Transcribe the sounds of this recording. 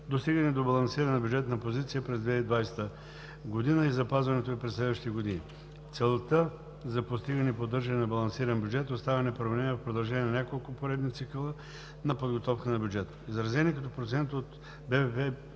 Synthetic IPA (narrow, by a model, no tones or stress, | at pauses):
d̪ost̪iɡənɛd̪obɐlˠɐnsiɾɐnɛnɐbʲjud͡ʒɛt̪nɐpozit̪sijəpɾɛzd̪vɛid̪vajst̪ə | ɡod̪inəizɐpazvɐnɛt̪oɛpɾɛslɛd̪vəʃtit̪ɛɡod̪ini | t̪sɛlˠt̪ə | zɐpost̪iɡənɛipod̪ɤɾʒɐnɛnɐbɐlˠɐnsiɾənbʲjud͡ʒɛt̪ost̪avɐnɛpɾovɛnɛniːɛɐfpɾod̪ɐlˠʒɛnʲiɛnɐnʲakolˠkʊpoɾɛd̪nit̪sikəlˠə | nɐpod̪ɡot̪ɔfkənɐbʲjud͡ʒɛt̪əizɾɐzɛniɛkɐt̪ɔpɾot̪sɛnt̪ot̪ | bɛvɛpɛ